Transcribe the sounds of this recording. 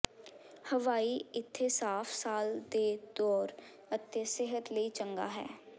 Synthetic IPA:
həʋaːiːɪt̪ʰːeːsaːpʰsaːld̪eːd̪ɔːɾ | ət̪ʰːeːsɪɦət̪ləiːt͡ʃəŋɡa̰ːɦɛ̰ː

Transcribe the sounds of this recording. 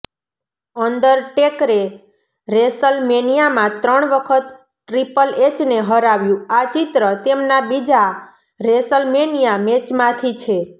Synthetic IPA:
ənd̪əɾʈekɾe | ɾesəlmenijamãt̪ɾəɳʋəkʰət̪ | ʈːɾipəlet͡ʃneɦəɾaʋjũat͡ʃit̪ɾət̪emnabid͡ʒa | ɾesəlmenijamet͡ʃmãt̪ʰit͡ʃʰe

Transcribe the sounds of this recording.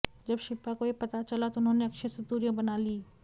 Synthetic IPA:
d͡ʒɐbʃɪpːakojepɐt̪at͡ʃɐlat̪oʊnɦõːneɐkʃʰesɐt̪uːɾjãbɐnaːliː

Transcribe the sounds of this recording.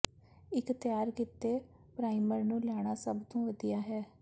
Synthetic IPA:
ɪkt̪ɪjaːɾkɪt̪eː | pɾaːiməɾnũːlɛːɽ̃aːsəbt̪õːʋəd̪ijaːɦɛː

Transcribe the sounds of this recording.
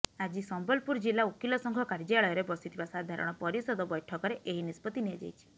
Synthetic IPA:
ad͡ʒisɔmbɔlpuɾd͡ʒilːaukilɔsɔŋkʰɔkaɾd͡ʒaɭɔjɔɾebɔsit̪ʰibasad̪ʱaɾɔ̰ɽ̃ɔpɔɾisɔd̪ɔbɔjʈʰɔkɔɾeʔeɦinispɔt̪ːiniad͡ʒa̰jt͡ʃʰi̥

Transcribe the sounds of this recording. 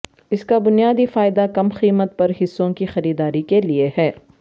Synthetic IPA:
ɪskabʊnijaːd̪ifaːɪd̪akɐmxiːmət̪̚pɐɾɦɪsːõkixɐɾiːd̪aːɾikeliehɛː

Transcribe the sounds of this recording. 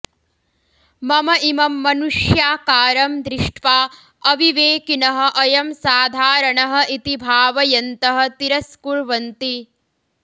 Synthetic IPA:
mɐmɐʔimɐmːɐnuʂjaːkaːɾɐmd̪ɾɪʂʈʰʋaː | ɐʋiʋeːkinɐɦɐ̆ʔɐjɐmsaːd̪ʱaːɾɐɳɐɦɐ̆ʔit̪ibʱaːʋɐjɐnt̪ɐɦɐ̆t̪iɾɐskuɾʋɐnt̪i

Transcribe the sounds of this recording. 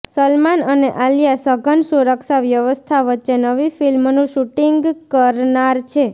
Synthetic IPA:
səlmanəneʔaljasəɡʱənsuɾəkʃaʋjəʋəst̪ʰaʋətːʃenəʋifilmnũʃuʈiŋɡkəɾnaɾt͡ʃʰe

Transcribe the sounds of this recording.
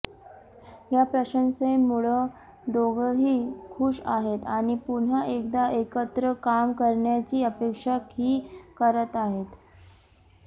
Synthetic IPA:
japɾəɕənsemuɭə | d̪oɡəɦiːkʰuːʂaɦet̪aɽ̃ipun̤aʔek̚d̪aʔekət̪ɾəkamkəɾɳjat͡ɕiːəpekʂakhiːkəɾət̪aɦet̪

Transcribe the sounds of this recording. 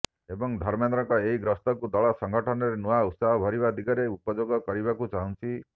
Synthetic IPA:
ebɔŋd̪ʱɔɾmend̪ɾɔŋkɔeɦiɡɾɔst̪ɔkud̪ɔɭɔsɔŋɡʱɔʈʰɔnɔɾenuaut̪saɦɔbʱɔɾiβad̪iɡɔɾeupɔd͡ʒoɡɔkɔɾibakut͡ʃaɦunt͡ʃʰi

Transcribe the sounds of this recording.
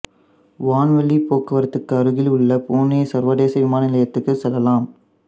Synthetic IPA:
ʋaːnʋɐɭːipːoːkːɐʋɐɾɐt̪ːɯkːɯɐɾɯɣɪlʊɭːɐpoːneːsɐɾʋɐɽeːsɐʋɪmaːnɐnɪlɐjɐt̪ːɯkːɯsɛlːɐlaːm

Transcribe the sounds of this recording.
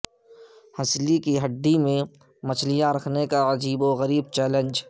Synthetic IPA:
hɐslikiɦɐɖːimẽ | mɐt͡ʃʰlijaɾɐkʰnekaəd͡ʒiːboɣɐɾiːb̚t͡ʃɛːlə̃nd͡ʒ

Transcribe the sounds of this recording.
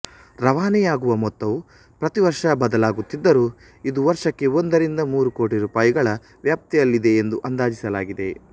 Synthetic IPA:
ɾɐʋaːnɛjaːɡuʋɐmɔt̪ːɐʋu | pɾɐt̪iʋɐɾʂɐbɐd̪ɐlaːɡut̪ːid̪ːɐɾuː | id̪uʋɐɾʂɐkːe̞ond̪ɐɾind̪ɐmuːɾuko̞ːʈiɾuːpaːjiɡɐɭɐ | ʋjaːp̚t̪ɛjɐlːid̪e̞ːnd̪uʔɐnd̪aːd͡ʒisɐlaːɡid̪e̞̰

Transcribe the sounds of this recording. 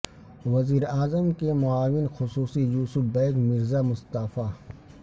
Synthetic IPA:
ʋɐziːɾaːzəmkemʊaːʋɪnxʊsuːsijuːsʊfbɛ̃ːkmɪɾzamʊst̪aːfaː

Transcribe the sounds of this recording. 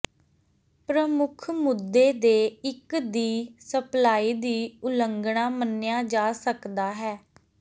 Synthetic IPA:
pɾəmʊkʰmʊd̪ːeːd̪eːɪkd̪iːsəplaːiːd̪iːʊləŋɡɳaːmənɪjaːd͡ʒaːsəkd̪aːɦɛː

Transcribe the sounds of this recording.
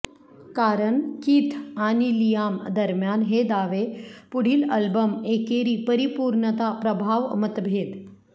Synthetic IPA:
kaɾəɳkit̪ʰanilijamd̪əɾmjanɦed̪aʋepuɽ̤iːləlbəmekeɾiːpəɾipuːɾɳət̪apɾəbʱaːʋmət̪bʱeːd̪

